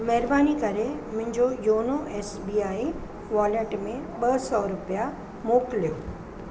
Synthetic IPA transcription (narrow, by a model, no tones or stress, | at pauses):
mɛɦɾbaːnikɐɾemʊ̃ɦɪ̃ɲd͡ʑojoːnoʔeːsbiːaːi | ʋɔːleʈmẽɓɐsɔɾʊpja | moːkljo